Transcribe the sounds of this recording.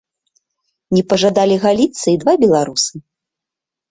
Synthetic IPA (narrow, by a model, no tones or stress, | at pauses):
nʲɛpɐʐad̪alʲiɣalʲit̪sːɐid̪vabʲɛlˠaɾusɨ